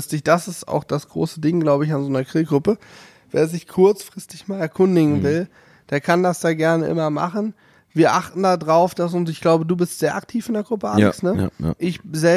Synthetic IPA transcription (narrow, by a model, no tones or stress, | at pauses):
stɪçd̥asɪsta̰ʊxd̥asɡ̥ʁo̰ːsədɪŋɡlaʊbəɪçanzoːnɐkʁ̥iːlɡʁʊpə | vḛːɐzɪçkʰʊɐt͡sfʁ̥ɪstɪçmaːlɛɐkʰʊndɪɡŋ̩vɪl | d̥eːɐkʰandasd̥aːɡɛɐnəʔɪ̰mɐma̰χn̩ | viːɐʔaχtn̩dadʁaʊfd̥as̬ʊns̬ɪçɡ̥laʊbəduːbɪstz̥eːɐʔaktʰiːfɪndeːɐɡʁʊpəʔalɪsnəʔɪçzɛ